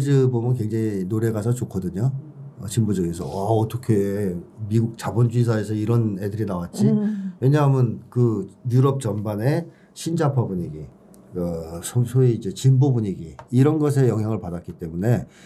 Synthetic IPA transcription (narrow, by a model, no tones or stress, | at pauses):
d͡ʑɯbomjʌnkwe̞ŋd͡ʑaŋinoɾe̞ɡasʰʌt͡ɕokʰʌdɯɲoʌt͡ɕimbud͡ʑʌɡesʰʌ̰waʌt͈ʌkʰe̞miɡuk̚t͡ɕabʌnd͡ʑis̬ʰae̞s̬ʰʌiɾʌnedɯɾinawat̚t͡ɕ͈iwe̞ɲaɦmɯnkɯjuɾʌp̚t͡ɕʌmbane̞ | ɕʰind͡ʑapʰabuɲiɡi | ʌsʰosʰoiːd͡ʑe̞t͡ɕimbobuɲiɡiːɾʌnɡʌs̬ʰe̞jʌŋjaŋɯɭpadat̚k͈it͈e̞mune̞